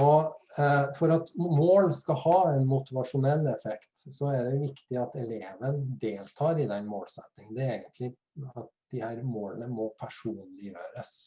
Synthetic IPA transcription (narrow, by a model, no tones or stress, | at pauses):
ɔ | fɔɾɑt̪moːlskɑhɑːɛnmʊt̪ɪʋɑʂʊnɛlːɛfɛkt̪sɔɛɖ̪ɛʋɪkt̪ɪɑt̪ɛleːʋənd̪eːlt̪ʰɑːɾɪd̪ɛnmoːlsɛ̰t̪ːɪŋnd̪ɛeːɡənt̪lɪ | ɑt̪̚d̪̥ɪhæːɾmoːlənəmɔpʰæʂuːnlɪjøːɾəs